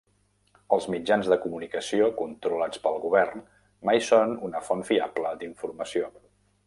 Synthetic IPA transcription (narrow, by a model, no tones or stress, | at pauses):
əlˠzmid͡ʒanzðəkumunikəsiokunt̪ɾulat͡spəlˠɣuβɛrn | majsonunəfɔnfia̰bləd̪iɱfurməsio